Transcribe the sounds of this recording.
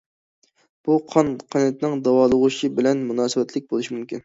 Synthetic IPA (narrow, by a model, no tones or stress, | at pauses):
b̥uqʰɑnqʰɑnɛt̪̚nɪŋd̪ɑwɑːlˠəʁuʃibɪlɛnmunɑːsɨbɛt̪lɪk̚ʲbolˠuʃimymkʲḭn